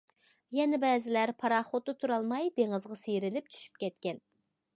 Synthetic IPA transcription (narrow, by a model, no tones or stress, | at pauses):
jɛnɛbɛːzɪlæɾpʰɑɾɑχot̪ːɨt̪ʰuɾɑlˠmɑjd̪̥eŋɨzʁɑsejɾɪlɪp̚t̪ʰy̥ʃy̥p̚kʲɛt̪kʲɛn